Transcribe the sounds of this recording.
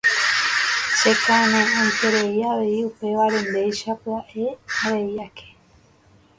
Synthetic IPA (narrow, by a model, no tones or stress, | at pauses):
ʃe̞kãɾ̃ẽõjt̪e̞ɾe̞iaʋe̞iupe̞ʋaɾe̞nd̪e̞jʃapɨaʔe̞haɾe̞iakʰe̞̥